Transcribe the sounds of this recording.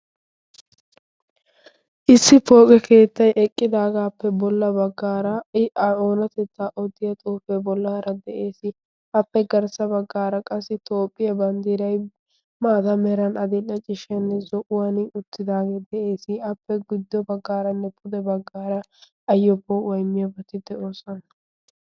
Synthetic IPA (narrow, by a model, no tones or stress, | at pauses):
ʔɪsːɪpo̞ːkʼɛkʰe̞ːt̪ːɐjʔɛkʼːɪd̪aːɡaːpːɛbɔlːɐbɐɡːaːɾɐɐoːnɐt̪ɛt͡sːaʔɔd̪ɪjɐt̪ʼoːfebɔlːɐhɐɾɐd̪ɛʔeːsɪ | ɐpːɛɡɐɾsɐbɐɡːaːɾɐkʼɐsːɪt̪o̞ːpʼːɪjɐbɐnd̪iːɾɐj | maːd̪ɐmɛɾɐnɐd̪ɪnɐt͡ʃʼɪʃɛnːɛzɔʔʊwanɪʊt̪ːɪd̪aːɡed̪ɛʔe̞ːsɪɐpːɛɡɪd̪ːɔbɐɡːaːɾɐnːɛpʰʊd̪ɛbɐɡːaːɾɐ | ɐjːɔbːɔwɔjmːɪjɐbɐt̪ɪd̪ɛʔo̞ːsɔnɐ